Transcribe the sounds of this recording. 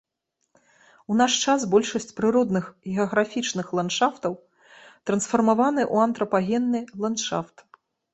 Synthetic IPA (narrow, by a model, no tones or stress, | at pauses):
unaʂt͡ʂas̬bɔlʲʂɐsʲt͡sʲpɾɨɾɔd̪nɨxɣʲɛɐɣɾafʲit͡ʂnɨxlˠantʂaft̪ɐw | t̪ɾɐnsfɐrmavanɨʔuɐnt̪ɾɐpaɣʲɛnːɨlˠanʂa̰ft̪